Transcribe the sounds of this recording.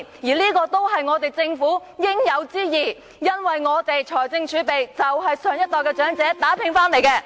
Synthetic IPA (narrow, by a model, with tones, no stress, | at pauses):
jiː˨˩liː˥kɔː˧t̪o˥wɦɐ˨jŋɔː˨˧t̪e˨jt͡sɪ˧ŋfuː˨˥jɪ˥ŋjɐ˨˧wt͡siː˥jiː˨˩ | jɐ˥nwɐ˨jŋɔː˨˧t̪e˨jt͡ʃʰɔː˨˩jt͡sɪ˧ŋt͡ʃʰyː˨˧˥pe˨jt͡sɐ˨wɦɐ˨jsœː˨˩ŋjɐ˥t̚t̪ɔː˨jkɛː˧t͡ʃœː˨˥ŋt͡sɛː˨˥t̪aː˨˥pʰɪ˧˥ŋfaː˥nle˨˩jkɛː˧